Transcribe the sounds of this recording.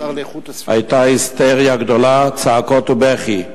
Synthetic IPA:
ha̰jt̪ahist̪eʁjaɡd̪olat͡saakot̪ubeχi

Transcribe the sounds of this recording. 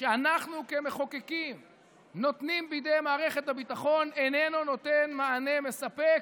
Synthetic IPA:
ʃeanaχnukeme̞χokekim | no̞t̪nimbejd̪ejmaːʁe̞χet̪habit̪aχo̞nene̞nuno̞t̪enmaːne̞mesapek

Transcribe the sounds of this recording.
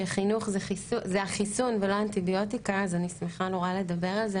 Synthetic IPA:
eχinuχzeχisuzeaχisunveloaːntibio̞tikaːzanismeχanoʁale̞dabe̞ʁalze

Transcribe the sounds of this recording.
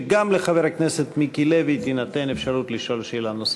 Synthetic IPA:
ɡamleχaveɾhakneset̪mikileveit̪inat̪enefʃaɾut̪liʃo̞lʃelanos

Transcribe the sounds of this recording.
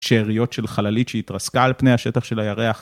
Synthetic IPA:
ʃeːʁijo̞tʃe̞lχalalitʃeitʁaskaːlpnejaʃetaχʃe̞lajaʁeaχ

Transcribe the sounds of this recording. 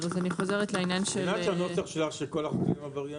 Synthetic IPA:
vazaniχo̞zeʁetleinjanʃelat͡ʃanosaχʃelaχʃekolaχokimavaʁja

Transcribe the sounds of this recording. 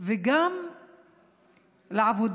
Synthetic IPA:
vɪɡam | lʕabud̪

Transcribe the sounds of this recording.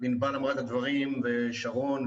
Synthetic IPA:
binbalamʁat̪ad̪vaʁimveʃaʁo̞n

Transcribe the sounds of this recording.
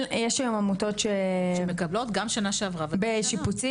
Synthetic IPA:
jɛʃɡamamuto̞tʃemekablot̪ɡamʃanaʃeavʁavabeʃiput͡si

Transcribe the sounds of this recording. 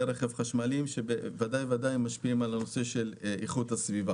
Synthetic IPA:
ɾeχevχaʃmalimʃebevad̪ajvad̪ajmaʃpiimalano̞se̞ʃe̞liχut̪hasviva

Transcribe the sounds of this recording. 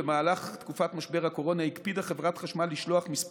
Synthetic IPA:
emaːlaχt̪kufatmaʃbe̞ʁhako̞ʁo̞naikpid̪aχe̞vʁatχaʃmaliʃloaχmis

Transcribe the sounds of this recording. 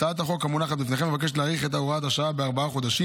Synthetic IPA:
t̪aat̪aχo̞kːamunaχat̪bifne̞ːχemevak̬e̞ʃ̬leaʁiχe̞t̪̬auʁaat̪aʃaabeaʁbaaχo̞d̪aʃi

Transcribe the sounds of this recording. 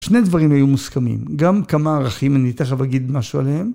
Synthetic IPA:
ʃne̞jd̪vaʁimhajumuskamḭmɡamkamaːʁaχimanit̪eχavaɡid̪maʃua̰leem

